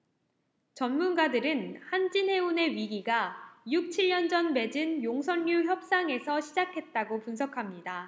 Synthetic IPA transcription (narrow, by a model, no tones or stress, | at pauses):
t͡ɕʌnmunɡadɯɾɯnhand͡ʑinɦe̞une̞ɥiɡiɡajuk̚t͡ɕʰiʎjʌnd͡ʑʌnme̞d͡ʑɯnjoŋsʰʌɲːuçjʌp̚s͈aŋe̞sʰʌɕʰid͡ʑakʰe̞t̚t͈aɡopuns̬ʰʌkʰamɲida